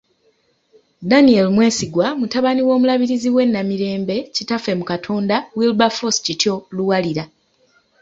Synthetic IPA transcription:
danielmwe̞ːsiɡwamutaβaniwo̞ːmulaβiɾiziwe̞nːamiɾe̞ːmbe̞citafe̞mukatʰo̞ːndawilbafoscitjoluwaliɾa

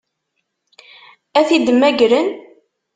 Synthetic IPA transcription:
æθid̪əmːæɡɾən

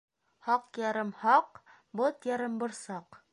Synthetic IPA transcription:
hɑqjɑɾɤmhɑq | bot̪jɑɾɤmbɤ̆ɾsɑq

